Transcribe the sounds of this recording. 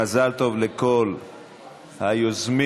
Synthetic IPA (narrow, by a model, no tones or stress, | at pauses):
azalt̪o̞vlekol | hajozmi